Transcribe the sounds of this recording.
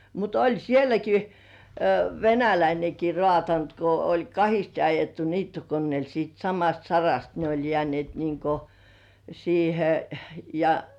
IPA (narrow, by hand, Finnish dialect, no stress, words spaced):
mut olʲ sielæki ʋenælæineki roɑˑtɑnt ko olʲ kɑhiste ɑjetːu niːtːokonːieˑl siːt sɑmɑst sɑrɑst ne olʲ jĕæˑnĭeˑt niŋko siːhe jɑ